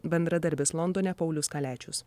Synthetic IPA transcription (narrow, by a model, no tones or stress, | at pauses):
bʲɛnd̪ɾɐd̪ɐɾʲbʲɪslˠɔnd̪oːnʲɛpɐʊlʲʊskɐlʲæːt͡ʃʲʊs